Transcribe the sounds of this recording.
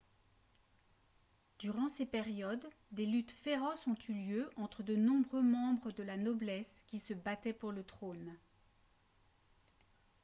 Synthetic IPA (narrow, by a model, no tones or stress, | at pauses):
d̪yʁɑ̃sepɛʁjɔd̪ːelyt̪feʁɔsɔ̃t̪yljøʔɑ̃t̪χəd̪ənɔ̃bʁømɑ̃bʁəd̪əlanɔblɛskʲisəbat̪ɛpuʁlət̪χon